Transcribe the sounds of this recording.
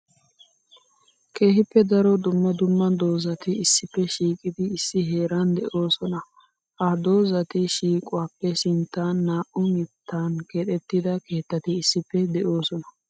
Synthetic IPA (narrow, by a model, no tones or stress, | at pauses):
kʰe̞ːhɪpːɛd̪ɐɾɔd̪ʊmːɐd̪ʊmːɐd̪o̞ːzɐt̪ɪɪsːɪpːɛʃiːkʼɪd̪ɪːsːɪɦe̞ːɾɐnd̪ɛʔo̞ːsɔnɐ | hɐd̪o̞ːzɐt̪ɪʃiːkʼʊwaːpːɛsɪnt̪ːaːnːaːʔʊmɪt̪ʰːaːnkeᶑ̪ɛt̪ːɪd̪ɐke̞ːt̪ːɐt̪ɪɪsːɪpːɛd̪ɛʔo̞ːsɔnɐ̥